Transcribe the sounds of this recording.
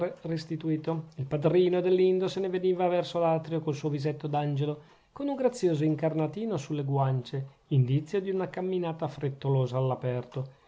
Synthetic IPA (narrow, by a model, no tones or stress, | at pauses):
rest̪it̪uiːt̪oilpad̪ɾiːnod̪elːind̪oseneveniːvavɛrsolat̪ɾjokolsuovizet̪ːod̪and͡ʒelo | konuŋɡɾat̪sːjoːzoiŋkarnat̪iːnosulːeɡwant͡ʃe | ind̪it̪sːjod̪iunakamːinaːt̪afɾet̪ːoloːzaːlːapɛrt̪o